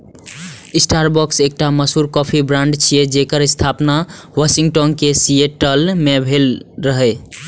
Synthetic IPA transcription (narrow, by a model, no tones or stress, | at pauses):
isʈaɾbɔksek̚ʈaməsuɾkɔpʰibɾãɳɖt͡ʃʰijed͡ʒekəɾəst̪ʰapnawasiŋɡʈɔnkesieʈəlmebʱelɾəɦɛ